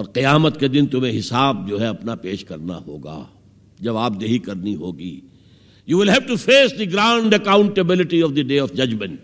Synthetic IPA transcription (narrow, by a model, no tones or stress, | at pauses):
ɔːɾqijaːmət̪ked̪ɪ̃nt̪ʊmẽɦɪsaːb̚d͡ʒoːɦɛɐpnapeːʃkɐɾna̰ɦo̰ːɡa̰ː | d͡ʒɐbaːb̚d̪eɦikɐɾniɦoːɡḭː | juːʋɪlɦɛʋʈufeːsd̪iɡɾãʊɳɖɐkãʊ̃ɳʈəbɪlɪʈiɔʋd̪iɖeːɔfd͡ʒɐd͡ʒmə̃ɳʈ